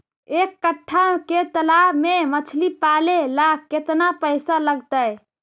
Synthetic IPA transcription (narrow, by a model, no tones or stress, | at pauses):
ekːəʈʰːaket̪əlabmemət͡ʃʰlipalelakkːet̪napəjsaləɡt̪əj